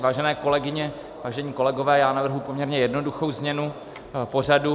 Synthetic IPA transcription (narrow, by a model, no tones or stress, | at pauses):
vaːʒɛnɛːko̞lɛɡɪɲɛ | vaːʒɛɲiːko̞lɛɡovɛːjaːnavr̩ɦupo̞mɲɛɾɲɛjɛdno̞duxo̞wzmɲɛnu | po̞radu